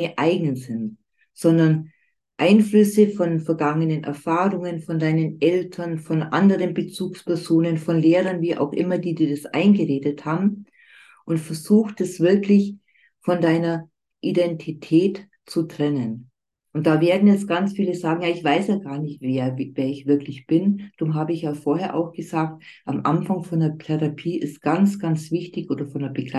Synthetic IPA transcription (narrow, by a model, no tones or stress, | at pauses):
ʔaɪɡŋ̩əzɪn | z̥ɔndɐn | ʔaɪnflʏsəfɔnfɛɐɡaŋənənʔɛ̰ɐfaːʁʊŋənfɔndaɪnənʔɛltʰɐnfɔnʔa̰ndəʁənbət͡suːkspɛɐzoːnənfɔnleːʁɐnviːʔa̰ʊxʔɪ̰mɐdiːdiːɐdasʔa̰ɪnɡəʁeːdəthaːbm̩ | ʔʊntfɛɐzuːxtd̥ɛsv̥ɪɐklɪç | fɔndaɪnɐ | ʔidɛntʰitʰɛːt | t͡sutʁ̥ɛnən | ʔʊnt̚d̥aːveːɐdn̩jɛt͡stɡ̥ant͡sfiːləzaːɡŋ̩jaːɪçv̥aɪsjaːɡaːɐnɪçtveːɐveːɐɪçv̥ɪɐklɪçb̥ɪnd̥ʊmɦaːbəɪçjaːfoːɐɦeːɐʔa̰ʊxɡ̥əzaːk̚t̚ʔamʔa̰nfaŋfɔndɐtʰɛʁapʰiːʔɪst̚ɡ̥ant͡sɡ̥ant͡sv̥ɪçtɪçʔoːdɐfɔndɛɐbəɡla